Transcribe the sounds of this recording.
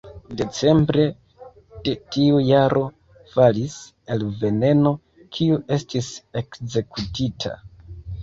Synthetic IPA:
de̞t͡se̞mbɾe̞ | d̥e̞tiujaɾʔo̞ | falis | e̞lve̞ne̞no̞ | kʰiuʔe̞stise̞kze̞kutitʰa̰

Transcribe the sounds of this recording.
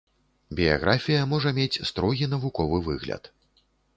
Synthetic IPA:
bʲija̰ɣɾʔafʲijɐmɔʐɐmʲet͡sʲst̪ɾɔɣʲin̪ɐvukɔvɨvɨɣlʲɐ̰t̪

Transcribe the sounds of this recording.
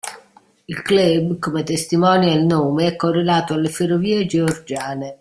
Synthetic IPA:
ilklɛbkomet̪est̪imɔːnjelnoːmeɛkːorːelaːt̪oalːeferːoviːed͡ʒeɔrd͡ʒaːne

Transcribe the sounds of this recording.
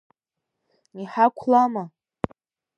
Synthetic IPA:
niħakʷʰlama

